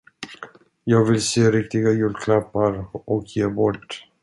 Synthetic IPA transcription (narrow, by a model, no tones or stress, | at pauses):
jɑːɡvɪlseːɾɪk̚t̪ɪɡajʉːlkʰlapːaɾʔɔkʰjeːbɔʈː